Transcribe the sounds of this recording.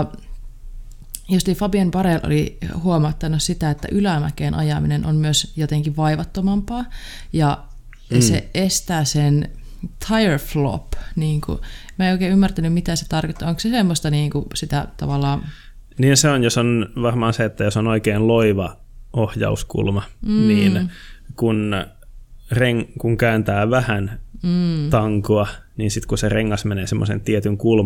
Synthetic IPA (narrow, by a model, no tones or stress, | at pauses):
jost̪ifɑbiempɑɾelʔo̰lihuomɑt̪ːɑnussit̪æet̪ːæ̰ʔylæmæ̰keːnʔɑ̰jɑminenʔo̰mmyøsjot̪eŋkiʋʋɑiʋɑt̪ːomɑmpɑː | jɑ | sḛest̪æːsen | t̪ʰɑjerflo̰pniːŋkṵmæeioˑikeːymːært̪ænymmit̪æset̪ɑrkot̪ːɑoŋksesemːost̪ɑniːŋkusit̪æt̪ɑ̰ʋɑlːɑː | niːnseonjosonʋɑrmɑːnseet̪ːæjosonoikeːnloiʋɑ | ohjɑ̰uskṵlmɑniːnkun | reŋkuŋkæynt̪æːʋæhæn̩ː | t̪ɑŋkoɑniːnsit̪kusereŋːɑsmeneːsemːo̰sḛnt̪iet̪yŋkul